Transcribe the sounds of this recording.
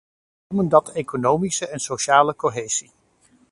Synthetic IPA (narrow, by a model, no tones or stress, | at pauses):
məndɑtejkonowmisəʔɛnsoʃaːləkoɦejz̥i